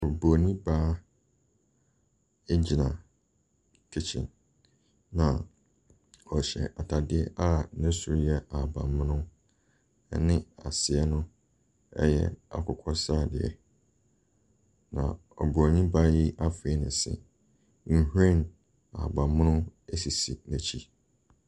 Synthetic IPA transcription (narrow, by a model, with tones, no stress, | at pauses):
ɔ˨bo˨nĩ˦baː˦ | e˦d͡ʑi˨nã˨ | kʰe˦t͡ɕʰɪ̰̃˨n | nã˨ | ɔ˨ɕɛ̰˨ʔa˨tʰa˨dɪ˦ɛ˦ʔa˦˨˦nɛ̃˦su˨ɾjɛ˦a˨bã̰˨mːʊ̃˦nʊ̃˦ | ɛ̰˨nɪ̃˦a̰˨sɪ˨ɛ˦nʊ̃˦ | ɛ̰˦jɛ̰˦a̰˨kʰʊ˨kʰɔ˦sa˦˨dɪ˨ɛ̰˨ | nã̰˨ | ɔ˨bu˨a˨nĩ˦ba˦ji˦ʔa˦fe˦nɪ̃˨sɪ̰̃˨ | n̩˨hu˦ẽ˦˨n | a̰˨bã˨mmʊ̃˦nʊ̃˦æ˦si˨si˨næ̃˨t͡ɕʰi˦